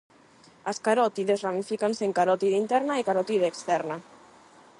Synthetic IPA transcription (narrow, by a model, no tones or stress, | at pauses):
askaɾɔt̪iðezramifikanseŋkaɾɔt̪iðint̪ɛɾnaikaɾɔt̪iðeːkst̪ɛɾna